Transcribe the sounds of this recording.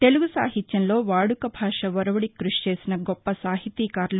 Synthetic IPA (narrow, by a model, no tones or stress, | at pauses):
t̪e̞luɡusa̰ːɦit̪jɐnlo̞ːʋaːɽukɐbʱaːʂɐʋɐɾɐʋɐɽikɾuʂi̥t͡ʃe̞ːsinɐɡɔpːɐsaːɦit̪iːkaːɾlu